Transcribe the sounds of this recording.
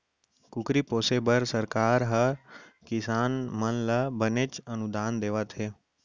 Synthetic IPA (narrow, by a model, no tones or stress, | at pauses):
kʊkɾipoːsebəɾsəɾkaːɾɦəkɪsaːnmənləbənet͡ʃənʊd̪aːnd̪eːʋat̪ʰɦeː